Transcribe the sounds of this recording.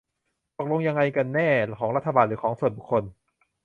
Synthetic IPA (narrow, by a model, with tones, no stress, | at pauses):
t̪o˨˩k̚lo˧ŋja˧ŋːa˧jka˧nːɛː˥˩kʰɔː˩˦ŋɾa˦˥t̪ʰːa˧baː˧˩nɾɯː˩˦kʰɔː˩˦ŋsu˨˩ənbu˨˩kʰːo˧n